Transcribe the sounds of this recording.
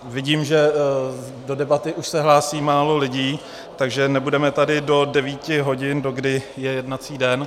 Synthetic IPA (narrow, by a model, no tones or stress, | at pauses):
vɪɟiːmʒɛ | do̞dɛbat̪ɪʔuʃsɛɦlaːsiːmaːlo̞lɪɟiː | t̪aɡʒɛnɛbudɛmɛt̪adɪdo̞dɛviːcɪɦo̞ɟɪndo̞ɡdɪjɛjɛdnat͡siːdɛn